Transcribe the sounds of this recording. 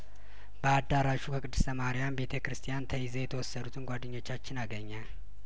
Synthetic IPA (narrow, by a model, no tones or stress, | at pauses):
b̥əad̪ːaɾaʃukʰəkʼɨd̪ːɨ̥st̪ʰəmahɾijambe̞t̪ʰəkɾɨst̪ʰijant̪ʰəizejɛt̪ʰəwɔsːəd̪ut̪ʰɨnɡʷad̪ːɨɲːo̞t͡ʃːat͡ʃːɪnaɡəɲːal